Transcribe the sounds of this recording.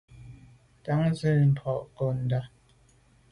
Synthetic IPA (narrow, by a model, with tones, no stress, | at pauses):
ta˨˦ŋzə˦˨m̩˨pʰɔ˨ʔko˦˨n̩˨da˦